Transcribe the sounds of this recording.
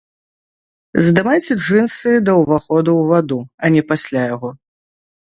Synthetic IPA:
zd̪ɨmajt͡sʲɛʐɨnsɨd̪ɐwvaxɔd̪uwvad̪uɐnʲɛpasʲlʲajaɣɔ

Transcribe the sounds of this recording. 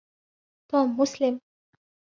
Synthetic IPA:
t̪ɔːmːʊslɪm

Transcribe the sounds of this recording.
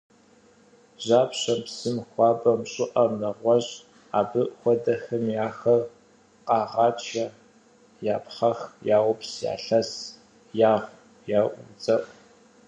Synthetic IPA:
ʑaːpɕɐpsɨmxʷɑːbʼɐmɕʼɪʔɐnɐʁʷɔʑ | aːbɨʔxʷɔdɐxɐmjaːxɐr | qɑːʁɑːt͡ʃʰɐ | jaːpχɐxjaːʁʷʊpsja̰ːɬɐs | jaːʁʷ | jaːʔʷʊd͡zɐʔ

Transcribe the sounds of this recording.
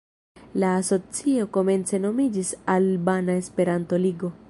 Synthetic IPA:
laːso̞t͡sio̞ko̞me̞nt͡se̞no̞mid͡ʒisalbanae̞spe̞ɾanto̞liɡo̞

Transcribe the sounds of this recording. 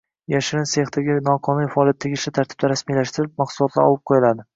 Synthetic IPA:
jaʃɪɾɪnseχt̪ʰaɡʲɪnɒqʰɒnʊnfaɒːljat̪ʰːeɡʲɪʃlɪt̪ʰaɾt̪ʰɪ̥b̚d̪aɾasmilaʃt̪ɪɾɪp̚mɑqsʊlˠɒt̪la̰ɾɒ̰lˠɪp̚qʰojɪlad̪ɪ

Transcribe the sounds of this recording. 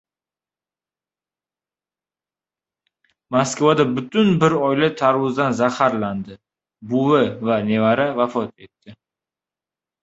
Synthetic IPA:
maskvad̪abʊt̪ʊnbɪɾɒjlat̪ʰaɾwʊzd̪anzahaɾland̪ɪ | bʊvɪvane̞vaɾavafɒt̪e̞t̪ːɪ

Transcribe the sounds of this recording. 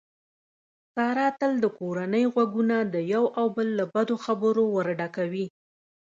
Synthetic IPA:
sɑɾɑt̪əld̪əkoɾanəjɣwaɡunad̪əjawʔawbəlːabad̪oxabəɾowəɾɖakawi

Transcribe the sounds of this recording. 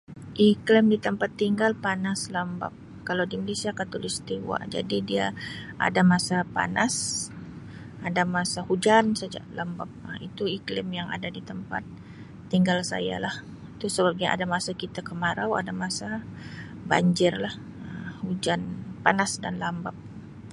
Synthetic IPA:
ʔiklɪmdit̪əmpat̪ːiŋɡalpanaslamba̰p̚ | kalawdiməlesiakat̪olist̪iwa̰d͡ʒa̰didiaʔa̰damasapa̰nas | adamasahud͡ʒansəd͡ʒa̰ʔlamba̰p̚əit̪uiklɪmjaŋa̰dadit̪əmpa̰t̪ː | iŋɡalsa̰ja̰lah | it̪usəbaɡa̰damasakit̪akəmaɾawa̰damasa | ba̰ɲd͡ʒɪrlah | əmhud͡ʒanpanasdanlambap̚

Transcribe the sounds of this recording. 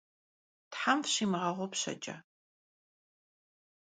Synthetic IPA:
tħamfɕiːmɨʁɐʁʷɔpɕɐ̰t͡ʃʼɐ̰

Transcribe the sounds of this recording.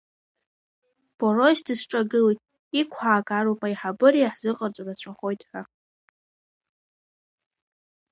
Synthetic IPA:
b̥o̞rosdɨsʈ͡ʂʼaɡɨlitʼ | ikʷʰaːkʼaɾupʼaiħabɨɾiaħz̥ɨqʼərt͡sʷʼarat͡ɕʷʰaχo̞jtʼħa

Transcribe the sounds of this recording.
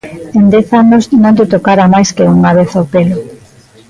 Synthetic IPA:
end̪eθanoznõnd̪et̪okaɾamajskeuŋaβeθawpelo

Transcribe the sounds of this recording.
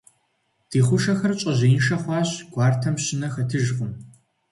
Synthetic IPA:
d̥iːχʷʊʃɐxɐrt͡ʃʼɐʑeːnʃɐχʷɑːɕɡ̥ʷɑːrtʰɐmɕɪnɐxɐtʰɨʒqʊm

